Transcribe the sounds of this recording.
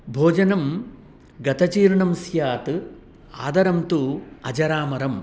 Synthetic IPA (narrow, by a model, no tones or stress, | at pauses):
bʱoːd͡ʒɐnɐm | ɡɐt̪ɐt͡ʃiːɾɳɐmsjaːt̪ɨ | aːd̪ɐɾɐmt̪uːɐd͡ʒɐɾaːmɐɾɐm